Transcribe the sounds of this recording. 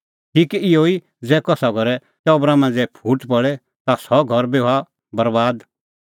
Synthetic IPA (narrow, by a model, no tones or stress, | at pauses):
ʈʰiːkiɪoi | d͡zɛːkɔsaɡʱɔɾɛ | t̪ɔbɾamãnd͡zɛpʰuːʈpɔɽɛ | t̪asɔɡʱɔɾbea | bɐɾbaːd̪